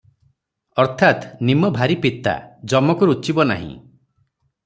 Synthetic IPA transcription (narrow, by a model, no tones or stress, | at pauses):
ɔɾt̪ʰat̪nimɔbʱaɾipit̪a̰d͡ʒɔmɔkuɾut͡ʃibɔna̰ɦḭ̃